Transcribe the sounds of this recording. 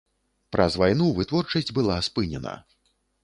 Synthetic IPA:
pɾʔɐzvajnuvɨt̪vɔrt͡ʂɐsʲd͡zʲbɨlˠaspɨnʲɛ̰nɐ̰

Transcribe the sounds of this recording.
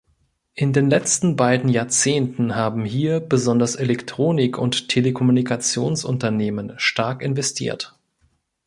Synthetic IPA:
ʔɪndeːnlɛt͡stn̩baɪdn̩jaːɐt͡seːntn̩ɦaːbm̩ɦiːɐbəzɔndɐsʔelɛktʁ̥oːnɪkʰʊnttʰːelekʰɔmunikʰat͡sjoːnsʔʊntɐneːmənʃtaɐkɪnvɛstʰḭːɐt

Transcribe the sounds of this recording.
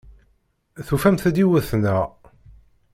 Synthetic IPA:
θufæmθæd̪iwəθnæ

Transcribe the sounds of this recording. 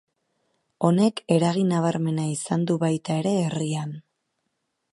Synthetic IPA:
o̞ne̞ke̞ɾaɣinaβaɾme̞naisand̪uβajt̪ae̞ɾe̞ːrian

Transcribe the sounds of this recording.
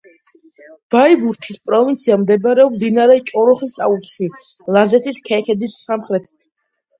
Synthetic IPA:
b̥aibuɾt̪ʰispʼɾɔvint̪sʰiamd̪ɛbaɾɛɔmd̪inaɾɛt͡ʃʼɔɾɔχisaut̪ʃi | lˠazɛt̪ʰiskʰɛkʰɛd̪isːamχɾɛt̪ʰi̥t̪ʰ

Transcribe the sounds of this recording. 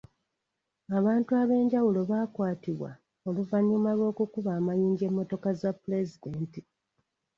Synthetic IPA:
aβaːntuaβe̞ːɲɟawulo̞βaːkwaːtiβwa̰ | o̞luvaɲːimalwo̞ːkukuβaːmajiːɲɟe̞mːo̞to̞kazapːule̞zideːnti

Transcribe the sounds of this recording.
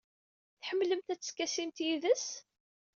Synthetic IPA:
θħəmːləmt̪æt͡sːəskːæsimt̪jiðəs

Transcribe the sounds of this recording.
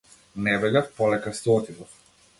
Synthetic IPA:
nɛbɛɡafpɔlɛkast̪ɛɔt̪id̪ɔf

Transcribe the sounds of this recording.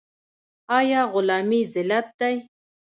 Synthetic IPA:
ajaːɣʊlaːmizɪlat̪ːaj

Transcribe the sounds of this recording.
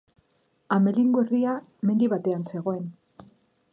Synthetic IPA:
ame̞liŋɡweriame̞nd̪iβat̪e̞anse̞ɣo̞e̞n

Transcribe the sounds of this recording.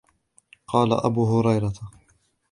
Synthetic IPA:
qɑːla̰ʔabuːɦʊɾɑjɾɑt̪a

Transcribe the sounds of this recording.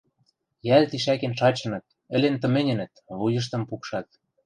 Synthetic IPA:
jælt̪iʃækenʃɑt͡ɕɤ̆nɤ̆t̪̚ | ɘ̆lent̪ɤ̆mɘ̆nʲɘ̆nə̆t̪βujɤ̆ʃ̬t̪ɤ̆mpukʃɑt̪̚

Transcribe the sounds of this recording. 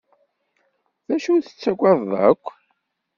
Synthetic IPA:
ðæʃuθə̥t͡sːæɡʷɑððˤə̰kʷː

